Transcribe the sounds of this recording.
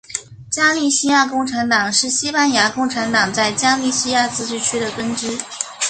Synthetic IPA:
t͡ɕja˥li˥˧ɕi˥ja˥˧kʊ˥˩ŋʈ͡ʂʰa˧˥nt̪ɑ˨˩ŋʂɻ̩˥˩ɕi˥pa˥˧nja˧˥kʊ˥˩ŋʈ͡ʂʰa˧˥nt̪ɑ˨˩ŋt͡sa˥˩ɪt͡ɕja˥li˥˩ɕi˥ja˥˩t͡sɹ̩˥ʈ͡ʂɻ̩˥˩t͡ɕʰy˥d̪ə˨kə˥nʈ͡ʂɻ̩˥

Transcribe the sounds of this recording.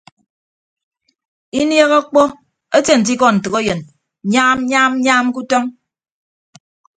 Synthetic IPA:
i˦nje˦ɣɔ˦k͡pɔ˦ | e˦te˦˨n̩˨t̬i˦kɔ˦n̩˨tɨ˨ɣo˦jə˨n | ɲaː˦m˦ɲaː˦m̩˦ɲaː˦m˦ku˦tɔ˦ŋ

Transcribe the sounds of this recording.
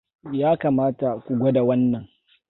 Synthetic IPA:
jaː˦kaː˨maː˦ta˨kʷu˨ɡʷo˦da˨wɐ˦nːɐ˨ŋ

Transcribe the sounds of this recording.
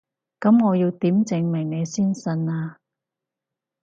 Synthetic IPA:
kɐ˨˥mŋɔː˨˧ji˧wt̪iː˨˥mt͡sɪ˨˧ŋmɪ˨˩ŋne˨˧jsiː˥nsɐ˧naː˧

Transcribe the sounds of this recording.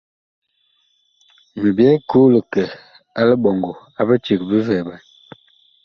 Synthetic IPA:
mə˨bjɛ˦ku˦lə˨kə˨ | a˦lə˦bɔ˨ŋɡo˨ | a˨bə˦t͡ʃi˨kbi˦vɛ˨ba˨n

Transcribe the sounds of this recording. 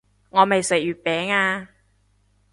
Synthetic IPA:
ŋɔː˨˧mɐ˨jsɵ˨˩jyː˨˩t̚pɛː˨˥ŋaː˧

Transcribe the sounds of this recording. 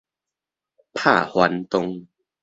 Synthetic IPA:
pʰaː˥˩hwa˨˦nt̪o˧ŋ

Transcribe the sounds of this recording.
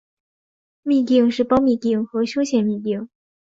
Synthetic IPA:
mi˥˧t̪i˥˩ŋʂɻ̩˥˩pɑ˥ʊmi˥˧t̪i˥˩ŋxɤ˧˥ɕjo˥ʊɕjɛ˥˩nmi˥˩t̪i˥˩ŋ

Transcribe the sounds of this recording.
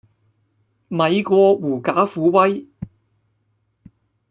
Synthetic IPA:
mɐ˨jkʷɔː˧wuː˨˩kaː˨˥fuː˨˥wɐ˥j

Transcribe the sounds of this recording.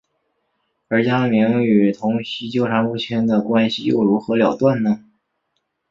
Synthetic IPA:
ə˞˧˥t͡ɕja˥mi˧˥ŋy˨˩t̪ʰʊ˧˥ŋɕi˥t͡ɕjo˥ʊʈ͡ʂʰa˧˥nlu˥˩t͡ɕʰjɛ˥nd̪ə˨kwa˥nɕi˨jo̰˥˩ʊɻu˧˥xɤ˧˥ljɑ˨˩ʊt̪wa˥˩nnə˩

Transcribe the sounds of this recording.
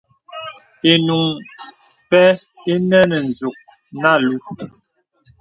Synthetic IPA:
e˨nu˨ŋ | pɛ˦e˦nɛ˦nɛ˨n˨d͡ʒu˨k̚ | na˦˨lu˦

